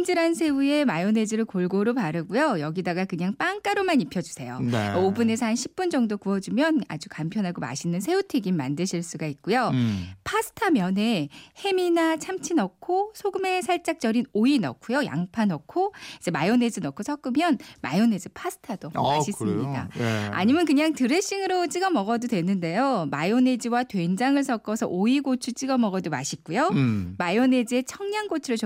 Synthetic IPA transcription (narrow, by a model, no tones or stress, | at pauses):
ind͡ʑɯɾansʰe̞ue̞majone̞d͡ʑɯɾɯɭkoɭɡoɾopaɾɯɡujojʌɡidaɡakɯɲaŋp͈aŋk͈aɾomanipʰjʌd͡ʑu̥sʰe̞jo̰nobune̞s̬ʰanɕʰi̥p̚p͈und͡ʑʌŋdokuʌd͡ʑumjʌna̰d͡ʑukampʰjʌnɦaɡoma̰ɕʰinɯnsʰe̞utʰeɡimːandɯɕʰiɭs͈uɡait̚k͈ujopʰasʰɯ̥tʰamjʌne̞he̞minat͡ɕʰamt͡ɕʰinʌkkʰosʰoɡɯme̞sʰaɭt͡ɕ͈ak̚t͡ɕ͈ʌɾinoinʌkʰujoja̰ŋpʰanʌkʰoid͡ʑe̞majone̞d͡ʑinʌkʰosʰʌk͈ɯmjʌnma̰jone̞d͡ʑipʰasʰɯ̥tʰadoaɕʰis͈ɯmɲida̰a̰ɲimjʌnkɯɲaŋtɯɾeɕ͈iŋɯɾot͡ɕ͈iɡʌmʌɡʌdodwe̞nːɯnde̞jomajone̞d͡ʑiwatwe̞nd͡ʑaŋɯɭs̬ʰʌk͈ʌsʰʌ̰ʔoiɡot͡ɕʰut͡ɕ͈iɡʌmʌɡʌdomaɕʰik̚k͈ujomajone̞d͡ʑie̞t͡ɕʰʌŋɲaŋɡot͡ɕʰɯɾot͡ɕ